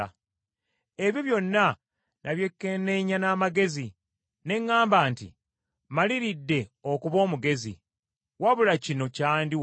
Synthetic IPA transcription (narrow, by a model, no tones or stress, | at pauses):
e̞βjoβjo̞nːa | nʔaβje̞kːene̞ɲanaːmaɡe̞zi | ne̞ŋːaːmbaːntḭ | maliɾidːe̞okuβo̞ːmuɡe̞zḭ | waβulacino̞caːndi